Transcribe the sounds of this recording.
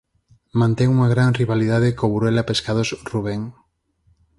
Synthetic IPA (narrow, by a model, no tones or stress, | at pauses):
mãnt̪eŋuŋaɣɾanriβaliðað̞ekoβuɾelapeskað̞osruβ̞eŋ